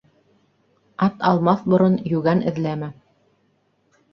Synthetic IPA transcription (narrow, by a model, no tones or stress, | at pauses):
ɑt̪ɑlˠmɑθbŏɾonjʉɡænɘ̆ðlæmɘ